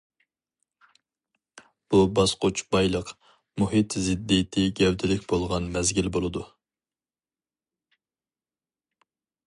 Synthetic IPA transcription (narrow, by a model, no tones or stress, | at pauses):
b̥ubɑsqʰot͡ʃʰbɑjlˠəq | muhit̪zɪd̪ːit̪ʰɪɡʲɛwd̪ɪlɪkʲbolˠʁɑnmɛzɡʲilbolˠɨd̪u